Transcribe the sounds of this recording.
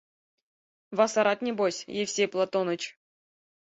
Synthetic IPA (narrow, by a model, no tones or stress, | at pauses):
vɑsɑɾɑt̪nʲebosʲjefʲsʲejplˠat̪onə̆t͡ɕ